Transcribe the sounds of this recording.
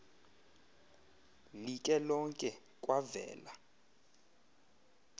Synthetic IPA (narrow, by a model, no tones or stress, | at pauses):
likʼɛlɔŋkʼɛ | kʼwavɛ̰ːla